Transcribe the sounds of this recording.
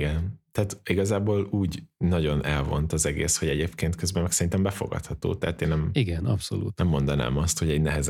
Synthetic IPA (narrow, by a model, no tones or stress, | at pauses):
ɡɛnt̪ɛat̪iɡɒzaːboːluːɟnɒɟo̞nɛlvo̞̰nt̪ɒzɛɡḛːsho̞ɟɛɟeːpkeːnt̪køzbɛmːɛksɛɾint̪ɛmbɛfo̞̰ɡɒ̰t̪hɒt̪o̰ːt̪ɛɦat̪eːnːɛmiɡɛnɒpso̰lṵːt̪nɛmːo̞nd̪ɒna̰ːmɒst̪hoɟɛɟnɛɦɛz